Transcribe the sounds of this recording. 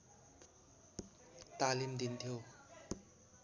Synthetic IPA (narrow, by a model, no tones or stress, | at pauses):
t̪aːlimd̪int̪ʰijo